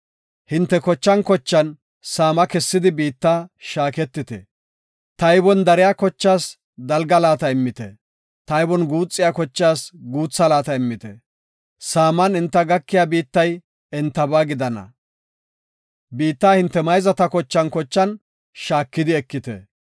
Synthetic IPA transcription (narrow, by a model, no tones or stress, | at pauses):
hɪnt̪ːɛkɔt͡ʃːɐnkɔt͡ʃːɐn | saːmɐkɛsːɪd̪ɪbiːt̪ːaːʃaːkɛt̪ːɪt̪ɛ̰ | t̪ɐjbɔnd̪ɐɾɪjaːkɔt͡ʃːaːs | d̪ɐlɡɐlaːt̪ɐɪmːɪt̪ɛ̰ | t̪ɐjbɔnɡuːt͡sʼːɪjaːkɔt͡ʃːaːsɡuːt͡sːɐlaːt̪ɐɪmːɪt̪ɛ̰ | saːmɐnɪnt̪ːɐɡɐkːɪjaːbiːt̪ːɐj | ɛnt̪ːɐbaːɡɪd̪ɐnɐ̰ | biːt̪ːaːhɪnt̪ːɛmɐjzɐt̪ɐkɔt͡ʃːɐnkɔt͡ʃːɐn | ʃaːkːɪd̪ɪɛkːɪt̪ɛ̰